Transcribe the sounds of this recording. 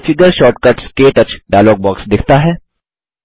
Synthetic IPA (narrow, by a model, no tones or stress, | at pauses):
fɪɡəɾʃɔːʈkəʈskeːʈɐt͡ʃɖajloːɡ̚bɔːksd̪ɪkʰt̪aɦɛː